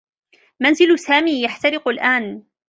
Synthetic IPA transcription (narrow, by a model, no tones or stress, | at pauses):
manzɪlsaːmiːjaħt̪aɾɪqalʔaːn